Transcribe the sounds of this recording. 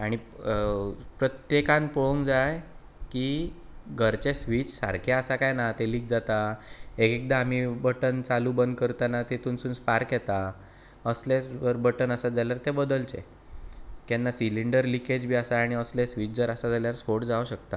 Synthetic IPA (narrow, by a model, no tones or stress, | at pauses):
aɽ̃i | pɾət̪jekãnpoɭoŋkd͡zaj | ki | ɡʱəɾt͡ɕesʋit͡ɕsa̰ɾkʰeasakajnat̪eliːk̚d͡zat̪aekek̚d̪aːm̤ibəʈənt͡saluːbənd̪̚kəɾt̪anat̪et̪uːnsuːnspaɾkjɛt̪a | əslesəɾbəʈənəsad͡zaljaɾt̪ebəd̪əlt͡ɕḛ | kɛnːasiliɳɖəɾliked͡ʑbʱiasaːɽ̃iəslesʋit͡ɕd͡zəɾasad͡zaljaɾsfoʈd͡zaʋɕəkt̪a